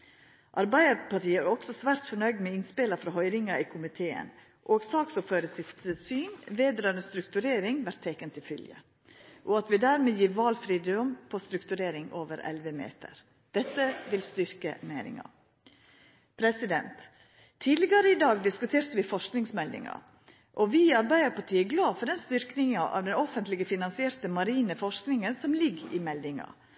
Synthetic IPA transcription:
ʔɑɾbæɪəɾpɑʈiːəæɾɔksɔsʋæːɾt̪fɔɳœʏɡd̪mɛɪnspɪlɑfɾɑɦœʏɾɪŋɑiːkʰʊmɪt̪ʰeːə̰n | ʔoːɡsɑːksɔføːɾəsɪft̪əsyːnʋeːd̪ɾɑːənəst̪ɾʉkt̪ʉɾeːɾɪŋʋæɾt̪ʰːɛkənt̪ʰɪlfʏljə̰ | ʔoːɑt̪ʋɪd̪æːɾmeːjiːɾʋɑːlfɾiːd̪ʊmpʰost̪ɾʉkt̪ʉɾeːɾɪŋʔoːʋəɾɛ̰lʋəmḛːt̪ʰə̰ɾ | d̪̥ɛt̪ːəʋɪlst̪ʏɾkəmenɪ̰ŋɑ̰ | pʰɾɛsɪd̪ɛ̰nt̪ʰː | iːd̪lɪɡɑɾəɪd̪ɑːɡd̪ɪskʉt̪ʰeːɾt̪əʋɪfɔʂknɪŋsmɛld̪ɪ̰ŋɑ̰ | ʔɔʋɪɑɾbæɪəɾpɑʈʰiːəɡlɑːfɔɖ̪ɛnst̪ʏɾknɪŋɑʔɑ̰ːʋd̪ɛnɔfənt̪lɪɡəfɪnɑnsɪɛːɾt̪əmɑɾiːnəfɔʂknɪŋənsɔmlɪɡɪ̰mɛld̪ɪŋɑ̰

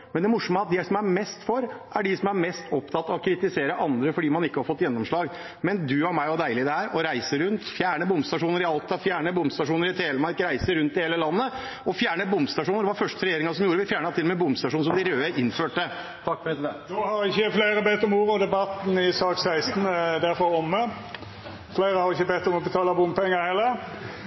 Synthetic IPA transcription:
mɛnd̪ɛmʊʂɔməɑt̪̚d̪ɛsɔmæɾmɛst̪fɔɾʔæɖɪsɔmæɾmɛst̪ɔpt̪ʰɑt̪ːɑɔkʰɾɪt̪ɪseːɾəʔɑnd̪ɾəfɔɖiːmɑnɪkːəhɑɾfɔt̪ːjɛnːɔmʂɭɑːɡ | mɛnd̪ʉɑɾmæɪɔd̪æɪlɪd̪ɛhæːɾɔɾæɪsəɾʉnt̪fjæːɳəbʊmst̪ɑʂuːnəɾɪɑlt̪ɑfjæːɳəbʊmst̪ɑʂuːnəɾɪt̪ʰeːləmɑɾkɾæɪsəɾʉnt̪ɪheːləlɑnːə | ɔfjæːɳəbʊmst̪ɑʂuːnəɾd̪ɛʋɑɾfœʂʈəɾɛjeːɾɪŋɑsɔmjuːɾəʋɪfjæːɳɑt̪ʰɪlːɔmɛbʊmst̪ɑʂuːnsɔmd̪ɪɾøːəʔɪnføːʈə | t̪ʰɑkːfɔɾɛsɪd̪ɛnnohɑɾɪçəfleɪɾəbɛt̪ːɔmuːʁɔd̪ɛbɑt̪n̩ɪsɑːksæɪst̪n̩d̪æɾfɔɾɔmə | fleɪɾəhɑɾɪçəbɛt̪ːɔmɔbət̪ʰɑːləbʊmpɛŋːəhɛlːəʁ

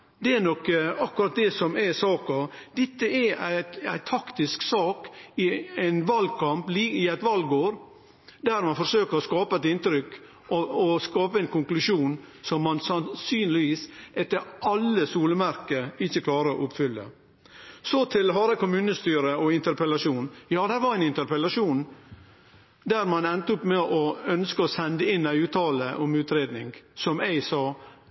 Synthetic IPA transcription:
d̪ɛænɔkːəɑkːʉɾɑt̪̚d̪ɛsɔmæsɑːkɑd̪ɛt̪ːəɛææ̰ɪt̪ʰɑkt̪ɪsksɑːkɪæɪnʋɑlɡkʰɑmpliːɪæɪt̪ʋɑlɡoːɾ | d̪æɾmɑnfɔɾsøːkəɾɔskɑːpəɛt̪ɪnt̪ɾʏk | ɔskɑːpəɛnkʰʊŋklʉʂuːnsɔmːɑnsɑnsyːnlɪʋiːsɛt̪ːəɾʔɑlːəsuːləmæɾkəɾɪçːəkʰlɑːɾəɔ̰ʔʊpfʏlːə̰ | sɔt̪ʰɪlɦɑːɾəkʊmʉːnəst̪yːɾəɔɪnt̪əɾpɛlɑʂuːnjɑːd̪æɾʋɑɾæɪnɪnt̪əɾpəlɑʂuːn | d̪æɾmɑnɛnt̪əɔpmɛʔɔœnskəɔsɛnd̪əɪnːæɪʉːt̪ɑːləʔɔmʉːt̪ɾeːd̪nɪŋɡsɔmæɪsɑː

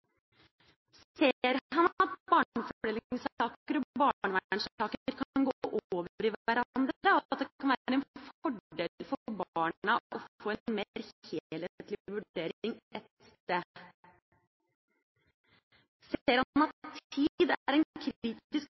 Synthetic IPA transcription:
s | eɾhɑnɑt̪̚bɑːɳnfɔɖɛlɪŋsɑːkəɾɔbɑːɳəʋææɪɳsɑːkəəɾkʰɑnɡoʔooːʋəəɾɪʋæɾɑnd̪ɾəɔt̪̚d̪ɛkʰɑnʋæːɾəɛnfɔɖeːlfɔɾbɑːɳɑʔɔoːɛnmeɾheːlət̪lɪʋʉeːɾɪŋɛt̪st̪eː | seːɾhɑnɑt̪ʰid̪æɾɛnkʰɾiːt̪ɪsk

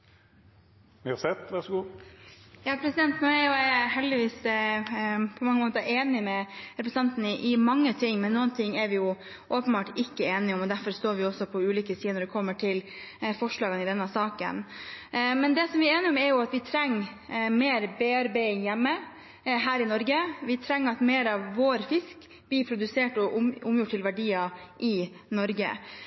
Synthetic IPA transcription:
sɛt̪ʋæʁʂɡuː | jɑːpʰɾɛsɪd̪ɛnt̪nuːæɾjʊɦɛld̪ɪʋiːs | pʰɔmɑŋːəmoːt̪əɾeːnɪmɛɾɛpɾɛsɑnt̪ənɪʔɪmɑŋːət̪ʰɪŋːmɛnːuːənt̪ʰɪŋːɛɾʋɪjʊ | ʔoːpənbɑːʈɪkːəeːnɪɔmɔd̪æɾfɔɾst̪oːɾʋɪɔsːɔpʰɔʉːliːkəsiːənɔɖɛkʰɔmːəʈʰɪl | fɔʂɭɑːɡənɪd̪ɛnːəsɑːkə̰n | mɛnd̪ɛsɔmʋɪeːnɪɔmɛɾjʊɑt̪ʋɪt̪ʰɾɛŋːmeːɾbeːɑɾbæɪɪŋjɛmːə | ɦæːɾɪnɔɾɡəʋɪt̪ʰɾɛŋːɑt̪meːɾɑʋːoːɾfɪsk | b̥iːpʰɾʊd̪ʉseːʈɔʔʊʊmjʊʈʰːɪlʋæɖiːɑʔɪnɔɾɡə̰

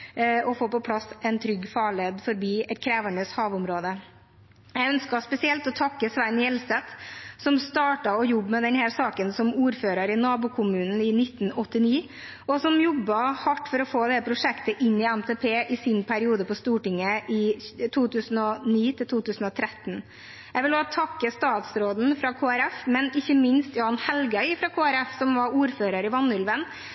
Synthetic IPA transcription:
ɔfoːpɔpʰlɑsɛnt̪ʰɾʏɡːfɑːɭeːd̪fɔɾbiːɛt̪kʰɾeːʋæɳəshɑːʋʊmɾoːd̪ə | jɛɡœnskɑspɛsɪɛlt̪ɔt̪ʰɑkːəsʋænːjɛlsɛt̪sɔmst̪ɑːʈɑɔjɔbːmɛd̪ɛnhæːɾsɑːkənsɔmuːɾføːɾɑɾɪnɑːbukʰʊmʉːnn̩ɪnɪt̪ːn̩ɔt̪ːɪniː | ɔsɔmjɔbːɑhɑʈːfɔɾɔfoːd̪ɛpʰɾʊʂɛkt̪əʔɪnːɪæmt̪ʰeːpʰeːʔɪsɪnpʰæɾɪuːd̪əpɔst̪uːʈɪŋːəʔɪt̪ʰuːt̪ʰʉːsn̩ɔniːt̪ʰɪlt̪ʰuːt̪ʰʉːsn̩ɔt̪ʰɾɛt̪ːn | jæʋɪloːt̪ʰɑkːəst̪ɑːt̪sɾoːd̪n̩fɾɑkʰoːæɾɛfmɛnɪçːəmɪnst̪jʊɑnhɛlɡəœʏfɾɑkʰoːæɾɛfsɔmʋɑuːɾføːɾɑɾɪʋɑnːʉlʋən

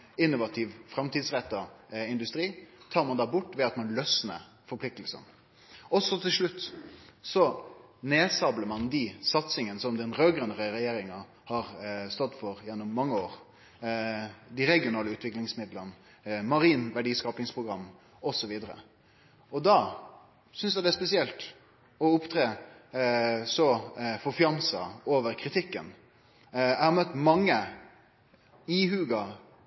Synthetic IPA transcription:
ɪnːʊʋɑt̪ʰiːʋfɾɑmt̪ʰiːd̪sɾɛt̪ːɑɪnd̪ʉst̪ɾiːt̪ʰɑːɾmɑnd̪ɑːbʊʈːʋɛɑt̪mɑnlœsnə̰ | fɔɾplɪk̚t̪əlsə̰n | ɔsɔt̪ʰɪlʂɭʉt̪ːsɔneːsɑbləɾmɑnd̪isɑt̪sɪŋənəsɔmd̪ɛnɾøːɡɾənəɾɛɾɛjeːɾɪŋɑ | hɑɾst̪ɔd̪ːfɔɾjɛnːʊmːɑŋːəoːɾ | d̪ɪɾɛɡɪʊnɑːləʉːt̪ʋɪklɪŋsmɪd̪lən | mɑɾiːnʋæɖiːskɑːpɪŋspʰʁʊɡɾɑmː | ɔsɔʋiːd̪əɾə̰ | ɔd̪ɑ | sʏnsæd̪ɛæspɛsɪɛlt̪ | ɔʊpt̪ʰɾeː | sɔfɔfɪɑnsɑ̰oːʋəɾkʰɾɪt̪ʰɪkːən | æhɑmœt̪ːmɑŋːə | ihʉːɡɑ

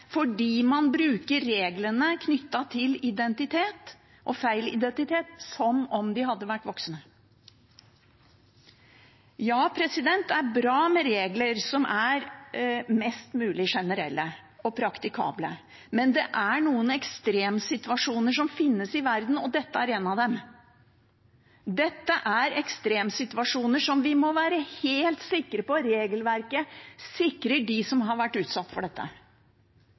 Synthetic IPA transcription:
fɔɖiːmɑnbɾʉːkəɾːeːɡlənəkʰnʏt̪ːɑt̪ʰɪlɪd̪ɛnt̪ɪt̪ʰeːt̪ | ʔɔfæɪlɪ̰d̪ɛnt̪ɪt̪ʰeːt̪sɔmɔmd̪ɪhɑd̪ːəʋæʈːʋɔksnə | jɑːpʰɾɛsɪd̪ɛnt̪æɾbɾɑːmɛɾeːɡləɾsɔmʔæɾ | mɛst̪mʉːlɪʂɛnəɾɛ̰lːə | ɔpʰɾɑkt̪ɪkʰɑ̰ːblə | mɛnd̪ɛ̰ʔæɳuːənɛkst̪ɾeːmsɪt̪ʉʋɑʂuːnəʂɔmfɪnːəsɪʋæɾd̪n̩ɔd̪ɛt̪ːəæɾeːnɑʋd̪ɛm | d̪ɛt̪ːəʔæɾɛkst̪ɾeːmsɪt̪ʉɑʂuːnəʂɔmʋɪmɔʋæːɾəheːlt̪sɪkːɾəpɔɾeːɡəlʋæɾkəsɪkɾəɖɪsɔmɦɑɾʋæʈːʉːt̪sɑt̪ːfɔɖɛt̪ːə̰

